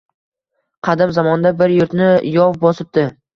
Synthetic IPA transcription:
qʰɑd̪ɪmzamɒnd̪abɪɾjʊɾt̪nɪjɒvbɒsɪp̚d̪ɪ

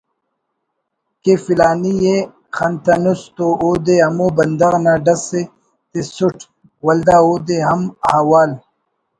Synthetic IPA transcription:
kefilaːnije | xɐnt̪ɐnust̪ooːd̪eɐmobɐnd̪ɐɣnaɖɐse | t̪esuʈ | wɐld̪aoːd̪eɦɐmhawaːl

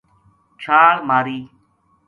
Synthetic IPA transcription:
t͡ʃʰaːɽmaːɾiː

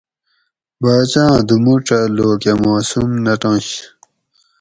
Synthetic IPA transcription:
baːt͡ɕãːd̪umuʈ͡ʂɐloːkamaːsumnɐʈɑ̃ːɕ

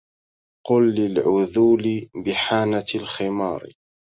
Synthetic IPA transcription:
qʊlːɪlʕʊðuːlɪbɪħaːnalxɪmɑ̰ːɾ

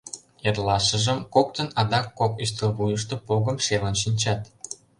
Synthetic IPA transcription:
erlɑʃə̆ʒə̆mkok̚t̪ə̆nɑd̪ɑkːopyʃt̪əβujəʃ̬t̪opoɣə̆mʃelənʃinʲt͡ɕɑt̪

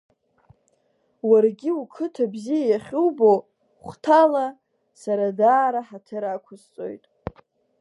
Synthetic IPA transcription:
warɡʲiukʰɨtʰabzijajaχʲuwbo | χʷtʰala | saɾadaːɾaħatʰɨɾakʷʰʊzt͡sʼo̞̰jtʼ

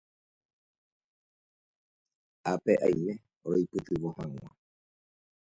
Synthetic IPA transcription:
apeʔa̰jmẽ̞ | oɾojpɨt̪ɨʋohãŋ̃ʷã̰

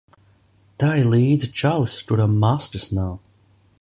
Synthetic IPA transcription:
t̪ajlˠiːd̪zit͡ʃalˠiskuɾamːastɨsnaw

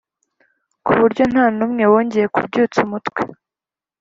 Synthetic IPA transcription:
kuβuɾɟo̞n̥haːnumŋe̞woːɲɟeje̞kub̚ɟuːt͡sumutkwḛ

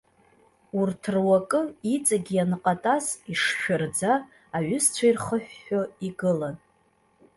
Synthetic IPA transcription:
urtʰrwakʼɨit͡sʼaɡʲijanɨqʼatʼaziʂʃᶣʊrd͡zaː | ɥʊst͡ʃʷʰairχəħᶣːoiɡɨlan

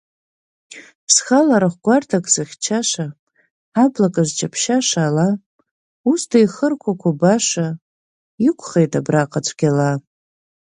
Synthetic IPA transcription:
pʰsxalaɾaχʷɡʷartʰakʼsɨχʲt͡ʃʰaʂa | ablakʼaʒʷt͡ʃʰʼapʰʃaʂaːla | ustʰajχərkʷʰakʷʰabaʂa | ikʷʰʼχejtʼabraqʼat͡sʷʰʼɡʲala

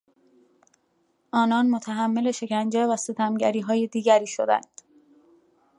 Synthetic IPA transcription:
ʔɒːnɒːnmot̪ʰæɦæmːe̞le̞ʃe̞cʰænd͡ʒevæse̞t̪ʰæmɟæɾiːɦɒːje̞d̪iːɟæɾiːʃo̰d̪æ̰nd̪̥

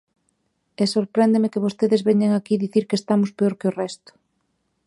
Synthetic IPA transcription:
esoɾpɾɛnd̪emekɪβ̞ost̪eðɪzβɛɲeŋakiðiθiɾkest̪amʊspeoɾkɪorɛst̪ʊ̥

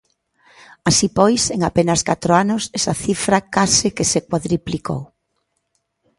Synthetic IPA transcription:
asipɔjseŋapenɐskat̪ɾoanʊsɛsaθifɾakasɪkesekwaðɾipliko̰w

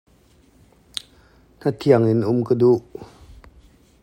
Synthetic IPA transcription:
n̥ət̪ʰiəŋinʔʊmkəduʔ

